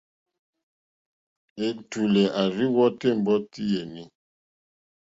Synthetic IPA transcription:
e˨tu˨lɛ˨ʔa˨ɾi˦wɔ˦te˦˨m̩˨bɔ˦ti˦je˨ni˦

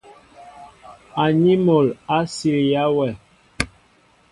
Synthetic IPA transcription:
a˨ɲi˦mo˨la˦si˨ɾja˦wɛ˨

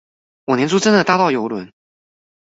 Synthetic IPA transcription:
wɔ˨˩njɛ˧˥nt͡su˥ʈ͡ʂə˥nd̪ə˨t̪a˥˧t̪ɑ˥˩ʊjo˧˥ʊlwə˧˥˦n

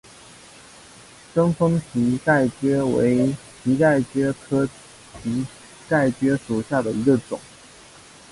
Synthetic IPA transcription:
ʈ͡ʂɤ˥ŋfə˥ŋɕʰi˧˥ka˥˩ɪt͡ɕɥɛ˥wḛ˧˥ɪ | tʰi˧˥ka˥˩ɪt͡ɕɥɛ˥kʰɤ˥ | ti˧˥ | ka˥˩ɪt͡ɕɥɛ˥ʂu˨˩ɕja˥˩d̪ə˩i˧˥ɡə˧ʈ͡ʂʊ̰˨˩˦ŋ

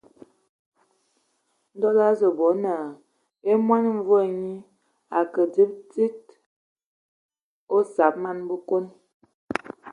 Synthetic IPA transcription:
n̩˦dɔ˦la˦zə˨bɔ˨˦na˨ | e˦mwa˦n˦ɱ˦vo˦˨ɲi˦ | a˨kə˨di˦p̚ti˦t̚ | o˦sa˨˦p̚ma˦nbə˦ko˦n

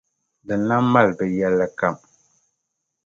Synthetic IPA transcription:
dɨ˨nːa˦ma˦˨lbɛ˨jɛ˦lːa˦ka˦˨m

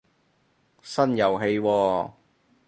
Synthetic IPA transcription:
sɐ˥njɐ˨wɦe˧jwɔː˧

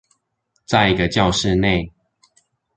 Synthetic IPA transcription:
t͡sa˥˨ɪi˨˧ɡə˧t͡ɕjɑ˥˧ʊʂɻ̩˥˧ne˥˨ɪ

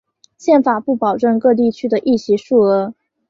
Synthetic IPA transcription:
ɕjɛ˥˩nfa˨˩pu˥˩pɑ˨˩ʊʈ͡ʂə˥˧ŋkɤ˥˧t̪̬i˥˩t͡ɕʰy˥d̪ə˨ʔi˥˩ɕi˧˥ʂu˥˩ɤ˧˥

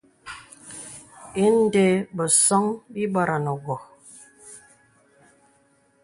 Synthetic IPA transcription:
e˦n̩˦de˦bə˨sɔ˦ŋbi˦bɔ˦ɾa˨nɔ˨ɡɔ˨

